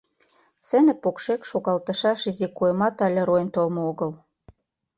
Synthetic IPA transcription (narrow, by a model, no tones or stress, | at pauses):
sɘ̆nɘ̆pokʃekʃoɣɑlt̪ɤ̆ʃɑʃizikojmɑt̪ɑlʲĕɾojənt̪olmooɣə̆l